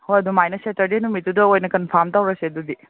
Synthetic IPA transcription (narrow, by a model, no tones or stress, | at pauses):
hojɐdumajnɐsetɐɾdinumit̚ːudɐojnɐkɐnpʰɐɾmtawɾɐsiɐdudi